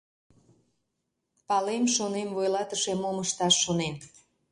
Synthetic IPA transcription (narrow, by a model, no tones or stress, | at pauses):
pɑlemʃonemvojlɑt̪əʃemoməʃt̪ɑʃːonen